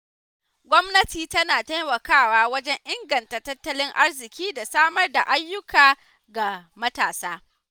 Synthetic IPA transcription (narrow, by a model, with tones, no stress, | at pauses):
ɡʷɔ˦mnɐ˦tiː˨tɐ˦naː˨ta˦jmɐ˨kaː˦˨waː˦wɐ˦d͡ʒɛ˦ɲʔɪ˦ŋɡɐ˨ntaː˨tɐ˦tːɐ˦lɪ˦ŋʔa˦rzɪ˨kʲiː˦da˨saː˦mɐ˦rda˨ʔa˦jːʊ˦kaː˨ | ɡa˨mɐ˦taː˨saː˦